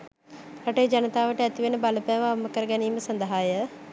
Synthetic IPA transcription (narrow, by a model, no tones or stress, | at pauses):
ɐʈeːd͡ʒanət̪aːʋəʈəæt̪iʋenəbaləpæːʋaamːəkəɾəɡɛniːməsɐnd̪əɦaːjə